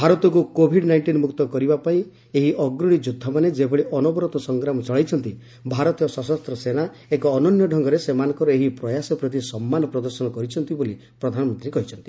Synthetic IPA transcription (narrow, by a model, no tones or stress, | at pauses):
bʱaɾɔt̪ɔk̬ukobʱiɖnajɳʈinmukt̪ɔkɔɾibapaĩ | eɦiʔɔɡɾuɽ̃id͡ʒud̪ʱːɔmaned͡ʒebʱeɭiʔɔnɔbɔɾɔt̪ɔsɔŋɡɾamɔt͡ʃɔɭajt͡ʃʰɔnt̪i | bʱaɾɔt̪ijɔsɔsɔst̪ɾɔsena | ekɔːnɔnjɔɖʱɔŋɡɔɾesemanɔ̃ŋkɔɾɔeɦipɾɔjasɔpɾɔt̪̬isɔmːanɔpɾɔd̪ɔɾsɔnɔkɔɾit͡ʃʰɔnt̪iboli | pɾɔd̪ʱanɔmɔnt̪ɾiekɔɦit͡ʃʰɔnt̪i̥